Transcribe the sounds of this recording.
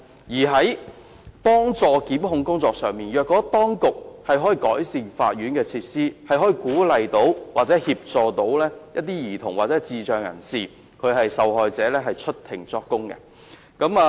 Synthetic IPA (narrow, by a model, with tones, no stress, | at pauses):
jiː˨˩ɦɐ˨˥j | pɔː˥ŋt͡sɔː˨˧kiː˨˥mhʊ˨˧ŋkʊ˥ŋt͡sɔː˧k̚sœː˨˧ŋmiː˨njœː˨kːɔː˨˥t̪ɔː˥ŋkʊ˨k̚hɐ˨jɦɔ˨˥jiː˨˧kɔ̰ː˨˥jsiː˨˧nfa̰ː˧t̚jyː˨˥nkɛː˧t͡sʰiː˧t̚siː˥hɐ˨jɦɔː˨˥jiː˨˧kuː˨˥lɐ˨jt̪o˨˥wwaː˨t̚t͡sɛ˨˦˥hiː˧p̚t͡sɔː˨˩t̪o˨˥wlɛː˥jɐ˥t̚t̪ːiː˥jiː˨˩t̪ʰʊ˨˩ŋwaː˨t̚t͡sɛː˨˧˥t͡siː˨t͡ʃœː˨˧ŋjɐ̰˨˩nsiː˨ | kʰɵ˨˧ɥhɐ˨jsɐ˨whɔː˨jt͡sɛː˨˥lɛː˥ɦɐ˨jt͡ʃʰɵ˥t̚t̪ʰɪ̰˨˩ŋt͡sɔː˧kːʊ˥ŋkɛ̰˧ | kɐ˨˥maː˨˧